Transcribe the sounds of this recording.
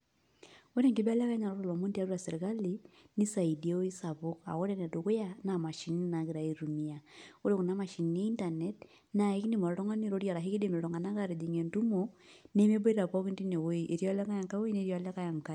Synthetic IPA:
o˦ɾe˦ŋke˦bla˦ka˦ɲa˨ɾɔ˦ɾɔ˨lɔ˨mo˦ndi˦a˦ɾuɾa˨se˨ɾe˨ka˦li˨ni˦sa˨i˨di˨e˦o˦i˦sa˨βo˦ka̰˨ɣo˦ɾe˦nɛ˨do˨ɣo˦ja˦na˨ma˨ʃi˦nina˨ɣe˨ɾa˨iɾu˨miao˦ɾe˦˨ku˨na˦ma˨ʃi˨nː˨a˦i˦nta˨nɛt̚ | na˨e˦ki˦ni˦mɔ˨ɾe˦ɾɔ˦ŋa˦ni˦˨ɾo˦ɾja˨ɾa˨ɦe˦ki˦de˨me˨ɾɔ˨ŋɡa˨na˦ka˨ɾe˨di˨ŋe˨ntu˦mone˦me˦bo˦i˦ɾa˨pɔ˦ki˦nti˦ne˨wo˦i˦ʔe˨ɾjɔ˦la˦ka˦ja˨ŋka˦o˦i˦ne˦ɾjɔ˨˦lɛ˦ka˦ja˨ŋka˦

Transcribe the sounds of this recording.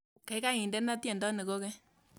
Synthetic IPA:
ka˨ɪ˦ka˦ŋi˨ndɛ˦na˦tjɛ˨ndɔ˦ne˨ko˦kɛ˦

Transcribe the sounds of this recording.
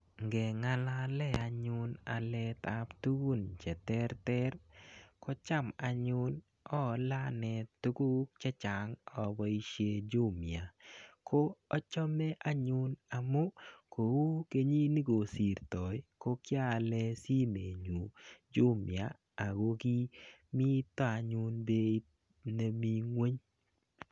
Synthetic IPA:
ŋɡɛ˨ŋa˦la˦lɛ˦a˨ɲʊ˧na˨lɛ˦t̪a˦pt̪u˦ɡu˦nt͡ʃɛ˨t̪ɛ˦ɾt̪ɛ˦ɾkɔ˦t͡ʃa˦˨ma˨ɲʊ˦n | ɔ˦la˦nɛ˨t̪u˦ɡu˦kt͡ʃɛ˦t͡ʃa˨ŋɔ˨bɔ˦i˦ʃje˦d͡ʒu˦mja˨kʰo˦ɔ˦t͡ʃɔ˦mɛ˦ʔa˦ɲʊ˦na˨mo˦ko˨wu˦ke˦ɲi˦ni˦ɡo˨si˨ɾt̪ɔ˨jko˦kja˦˨lɛ˦si˦me˨ɲu˨d͡ʒʊ˦mjaː˨ | ɡo˦ɡi˦ | mi˦t̪ɔ˦a˨ɲʊ˦nbe˦i˦ | ne˨mi˦ŋwe˦ɲ

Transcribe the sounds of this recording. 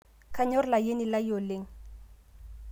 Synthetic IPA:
kʰa˦ɲo˦rla˨je˦ni˨la˦jo˨le˦ŋ̩

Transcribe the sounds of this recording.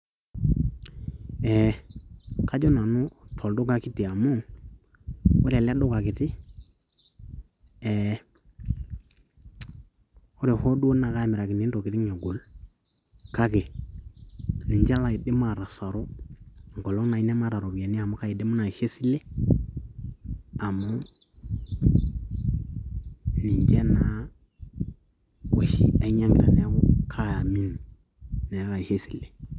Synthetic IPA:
ɛ˨ | ka˦d͡ʒɔ˦na˨nu˦tʰɔ˨ldu˦ɡa˨ki˦ti˨a˨mu˦ | o˦ɾa˨la˦do˦ka˨kɪ˨ti˦ | ɛ˨ | o˦ɾi˨ho˦du˦o˦na˨ka˦˨mɪ˨ɾa˨ki˨ni˦ndo˨ki˨ti˦ŋe˨ɡu˨l | ka˦ke˨ | li˨ɲd͡ʒa˦la˨i˨di˦ma˨ɾa˨sa˨ɾo˦ŋ˨ɡo˨lo˦ŋna˨i˦ne˦ma˦ɾa˨ɾo˨bi˨ja˨ni˦a˨mu˨˦ka˦ji˨di˦mu˦na˨he˦si˦le˦ | a˨mu˦ | li˨ɲd͡ʒe˦naa˨ | wḛ˨ʃḭ˦a˨i˦ɲa˦mḭ˨ɾa̰˨ne˦ɡo˦kʰa˦˨mi˦n | ne˨a˦ka˨he˦si˨le˨

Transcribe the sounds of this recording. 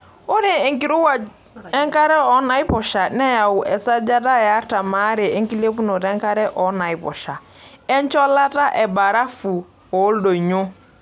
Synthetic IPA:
o˦ɾi˦˨e˨ŋki˨ɾu˦wa˨ | ɛ˦ŋ˦ka˦ɾɛ˦ɔ˨˦na˨i˦pɔ˨ʃa˨nɛ˦ja˨u˨ʔɛ˨sa˦d͡ʒa˦ta˦ja˨˦ɾta˨maː˨˦ɾɪ˨e˦ŋki˦le˦pu˦no˨tɛ˦ŋ˦ka˦ɾɛ˦ʔɔ˨˦na˨i˦pɔ̰˨ʃa˨ | ɛ˦n˦t͡ʃɔ˦la˦ta˦ʔɛ˨ba˨ɾa˦fu˨ | ɔ˨˦ldo˨ɲʊ˦

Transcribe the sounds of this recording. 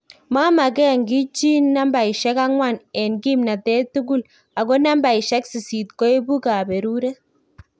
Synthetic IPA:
ma˦ma˨kɛ˦˨ŋɡi˦t͡ʃi˦nːa˦mba˨i˨ʃɛ˦ka˦ŋwa˦˨nɛ˨nɡi˦mna˨tɛ˦tu˦ɡu˦l | a˨ɡo˦na˦mba˨i˨ʃɛ˦ksi˨si˨t̚ko˦e˦bu˦ka˨be˨ɾu˦ɾe˦

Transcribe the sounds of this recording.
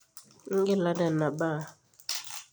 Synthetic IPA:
ŋ̩˦ɡɛ˦la˦da˨na˨ba˦˨

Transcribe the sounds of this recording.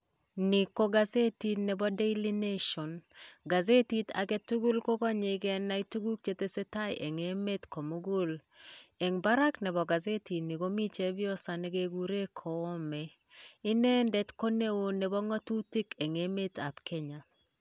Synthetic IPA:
ni˨ko˦ɡa˦ze˦ti˦tnɛ˨bɔ˦de˦li˦ne˦ʃɔ˨nɡa˨ze˦ti˦ta̰˨ɡɛ˦tu˦ɡu˦lko˦kɔ˦ɲe˨ɡɛ˦na˨˦i˦tu˦ɡu˦k̚t͡ʃe˦te˦se˦ta˦jʔe˨ŋe˦me˦tkɔ˨mo˦ɡo˦l | e˨ŋba˦ɾa˦knɛ˨bɔ˨ɡa˨ze˦ti˨ni˨ɡo˦mi˦t͡ʃe˨˦bjɔ˦sa˨nɛ˦ɡe˦ɡu˦ɾe˦kʰɔː˨˦mɛ˨ | ɪ˦nɛ˦ndɛ˦tko˦ne˦wo˨nɛ˨bɔ˦ŋɔ˦tu˦ti˦ke˨ŋe˦me˦ta˨pkʰe˦ɲa˨

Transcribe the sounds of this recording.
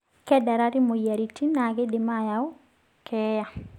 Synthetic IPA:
kɛ˦da˨ɾa˦ɾi˦mo˨ja˨ɾi˨ti˦na˨ɡe˦dɪ˨ma˦˨ja˨ʊ˦ | kʰɛ˦ja˨

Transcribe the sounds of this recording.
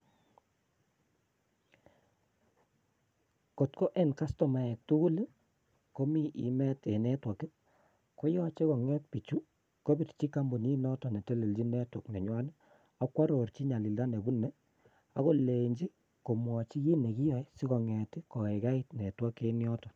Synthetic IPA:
ko˨tko˦ʔɛ˦˨nka˦stɔ˨ma˨ɛ˨k̚tu˦ku˦l | ko˦mi˦˨ʔḭ˨mɛ˦te˨nɛ˦twɔ˨kɛ˦ | ko˦jɔ˦t͡ʃe˦kɔ˨ŋɛ˦t̚pi˨t͡ʃu˦ | ko˦bi˨tt͡ʃi˦ka˦mbu˨ni˦nɔ˦tɔ˨nɛ˨te˦le˨ld͡ʒi˦nɛ˦twɔ˨knɛ˨ɲwa˦n˦ | a˨˦kwa˦ɾo˨ɾt͡ʃi˦ɲa˨li˨lda˦nɛ˨bu˦nːɛ˦ | a˦ko˦le˨ɲd͡ʒi˦ | ko˨mwɔ˨t͡ʃi˦ji˦ne˨ki˦jɔ˨˦si˦kɔ˨ŋɛ˨tɪ˦kɔ˨ɛ˨ka˦i˦tnɛ˨twa˦ke˦njɔ˦tɔ˨

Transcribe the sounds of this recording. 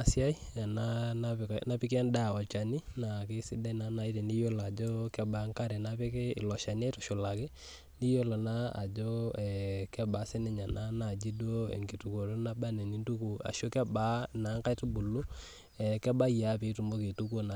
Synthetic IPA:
a˨sɪ˦a˦i˦ɛ˨na˦a˦na˦pi˦ki˦a˦nda˦˨ɔ˨t͡ʃa˨ni˦na˨ke˦si˦da˦i˨na˨˦na˨i˦te˨ndi˦jo˦la˨d͡ʒo˦kɛ˦ba˨˦ŋka˦ɾɛ˨na˦pɛ˦kɛ˦ɪ̰˨lɔ˨ʃa˨n˦ɛ˦tɔ̥˨ʃu˨la˨kɛ˦ | ni˦jo˦lɔ˨na˦a̰˨d͡ʒo˦ɛ˨kɛ˦ba˨˦sɛ˦nɛ˦ɲa˨na˦na˨d͡ʒi˦do˦ḛ˨ŋɡi˨tu˨ko˨to˦na˦ba˦nɛ˨ni˦ntu˦ku˨a̰˨ʃo˦kɛ˦ba˦na˨˦ŋka˦jtu˦bu˨lu˦ | ɛ˨kɛ˦ba˦ja˨˦pe˨˦tu˨mbo˦ke˨tu˦ko˦na˨

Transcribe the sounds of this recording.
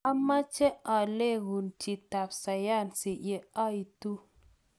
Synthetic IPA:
a˦ma˦t͡ʃɛ˦ʔa˨le˦ɣu˨nti˨ta˨p̚sa˨ja˦˨nsi˨ʔje˨a˦i˨tu˦

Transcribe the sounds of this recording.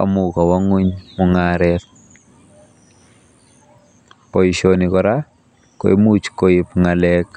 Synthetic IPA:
a̰˨mʊ˨kɔ˨wɔ˦ŋwi˦ɲmɔ˨ŋaɾɛt | pɔ˨iʃonikɔɾa | ko˨e˦mu˦t͡ʃkoɪ˨pŋa˨lɛk

